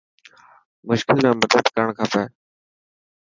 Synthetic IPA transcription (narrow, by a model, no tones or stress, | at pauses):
mʊʃkɪlnɛ̃ːmət̪əd̪kəəɳ̃kʰaːpɛː